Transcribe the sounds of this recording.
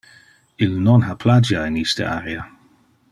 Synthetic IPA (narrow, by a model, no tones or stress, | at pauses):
ɪlnɔnɦapʰlad͡ʒaɪniːstə̰a̰ɾia